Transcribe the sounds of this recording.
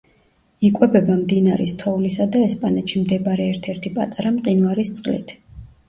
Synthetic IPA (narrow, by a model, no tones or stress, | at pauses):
ikʼwɛbɛbamd̪inaɾist̪ʰɔvulisad̪aɛspʼanɛt̪ʃimd̪ɛbɾɛɛɾt̪ʰɛɾt̪ʰipʼa̰t̪ʼaɾamqʼinvaɾist̪sʼqʼlḭt̪ʰ